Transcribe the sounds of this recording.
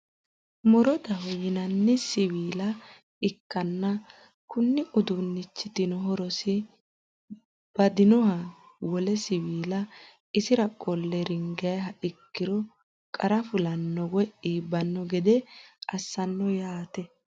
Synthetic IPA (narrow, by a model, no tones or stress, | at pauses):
mɔɾɔd̪ɐhɔjɪnɐnːɪsɪwiːlɐ | ɪkːɐnːɐ | kʊnːɪʔʊd̪ʊnːɪt͡ʃːɪt̪ɪnɔɦɔɾɔsɪ | b̥ɐd̪ɪnɔhɐ | wɔlɛsɪwiːlɐ | ɪsɪɾɐkʼɔlːɛɾɪŋɡjjɦɐʔɪkːɪɾɔ | kʼɐɾɐfʊlɐnːɔwɔʔiːbɐnːɔɡɛd̪ɛʔɐsːɐnːɔjaːt̪ɛ